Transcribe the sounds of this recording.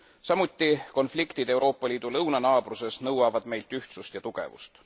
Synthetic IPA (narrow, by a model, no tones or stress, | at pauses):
sɑmut̪ːˑiko̞nflikt̪id̪̥e̞wɾo̞ːpːˑɑliːd̪̥ulɤwnɑnɑːb̥ruse̞snɤwɑvɑd̪̥me̞jlt̪yht̪sust̪jɑt̪uɡ̥e̞̰vṵst̪